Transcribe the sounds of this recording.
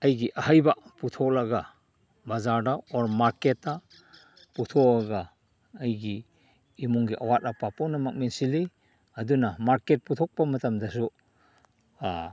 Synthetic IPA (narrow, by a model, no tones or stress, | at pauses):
ajɡiʔahajbaputʰɔlaɡa | bazaɾdaɔɾmaɾketːa | putʰɔaɡaː | jɡiː | muŋɡiʔawat̚apapɔnamak̚mensili | adunamaɾket̚putʰɔk̚pamɐtamdas̬u | a